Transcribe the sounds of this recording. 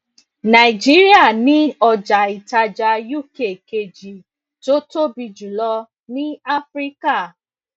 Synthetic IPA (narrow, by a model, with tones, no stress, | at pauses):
na˨i˨d͡ʒi˨˦ɾi˦a˦˨nĩ˨˦ɔ˦˧d͡ʒa˨i˨ta˧d͡ʒa˧ju˦˨ke˨ke˨d͡ʒi˨ | to˦to˦bi˧d͡ʒu˨lɔ˧ | nĩ˦a˦fɾi˦ka˦˨